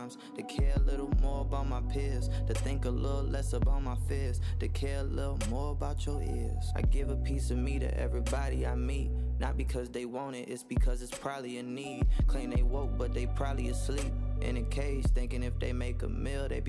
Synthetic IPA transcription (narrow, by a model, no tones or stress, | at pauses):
ɪ̃mz̥tʰɨkʰɛɹəlɪɾl̩ˠmɔɹəbaʊt̚maɪpʰɪz̥tʰɨθɪ̃ŋkəlɪɾl̩ˠlɛsəbaʊt̚maɪfɪz̥tʰɨkʰɛɹəlɪɾl̩ˠmɔɹəbaʊt͡ʃə˞ɪ̰ɹz̥aɪɡɪvəpʰisʌvmiɾɨ̰ʔɛ̰vɹibɑɾiaɪmit̚ⁿnət̚b̥ɨkʰʌzðeɪwʌ̃ʊ̃ɾ̃ɪɾɨtsb̥ɨkʰʌzɨtspʰɹ̥ɑbˡliɨnid̥̚kʰl̥ĩnðeɪwoʊk̚b̥ʌt̪̚ðeɪpʰɹ̥ɑbˡliɨslip̚ʔɪ̰̃nɨkʰeɪsθɪ̃ŋkɪ̃ŋɨfðeɪmeɪkə̰mɪlˠðeɪb